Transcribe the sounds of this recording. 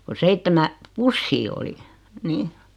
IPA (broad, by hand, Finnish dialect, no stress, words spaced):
ko seitːemæ pusːiː oli ni